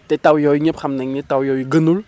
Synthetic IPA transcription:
t̪ɛt̪awjɔwiɲɛpʰamnaŋnɛt̪awjɔwiɡənul

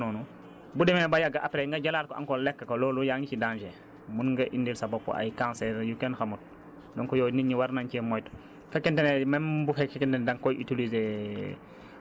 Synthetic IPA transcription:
nɔnu | budɛmebajaɡaʔapɾeŋɡaɟalaːɾkɔʔa̰ŋkɔlɛkːakolɔːlujaŋɡit͡ʃidãːnd͡ʒe | munŋɡaʔindilsabɔpːɔ̰ʔa̰jkãnsɛɾjukɛnxamut̚ | dɔŋkɔjɔːniɲiwaɾnaɲcimɔjt | fɛkːɛntenemɛnbufɛɛkːɛntɛndaŋkɔjʔitilize

